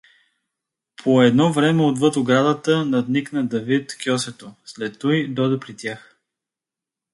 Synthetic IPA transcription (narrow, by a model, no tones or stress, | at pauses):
pʰoɛd̪nɔvɾɛmɛod̪vɤt̪oɡɾad̪ət̪ənɐd̪niknəd̪ɐvit̪kʲjɔsɛt̪oslɛt̪ːɔjd̪ɔd̪ɛpɾit̪ʲjax